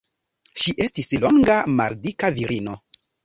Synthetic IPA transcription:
ʃiʔe̞stislo̞ŋɡama̰ɾdikaviɾʔino̞

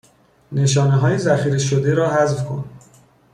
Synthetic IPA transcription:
ne̞ʃɒːneɦɒːjezæxiːɾeʃod̪eɾɒːɦæzfkʰo̞̰n

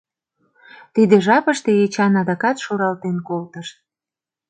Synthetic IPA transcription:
t̪id̪eʒɑpəʃt̪eet͡ɕɑnɑd̪ɑkɑt̪ʃuɾɑlt̪enkolt̪əʃt̪̚

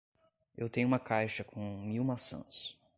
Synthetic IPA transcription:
ewt̪ẽɲʊ̃ũmɐkajʃɐkʰõmiwmasɐ̰̃s

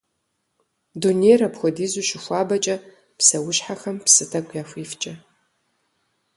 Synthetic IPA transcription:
dunejrɐpxʷɔdiːzuʃɪxʷaːbɐt͡ʃʼɐ | pʰsɐwʊʃħaxɐmpsɨtʰɐkʷʰʼjafʷiːft͡ʃʼɐ

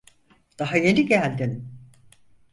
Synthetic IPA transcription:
d̪̥aɦaje̞niɟælʲd̪in

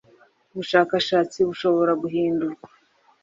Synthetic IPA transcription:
uβuʃaːkaʃaːt͡siβuʃo̞βo̞ɾaɡuɦiːnduɾɡa

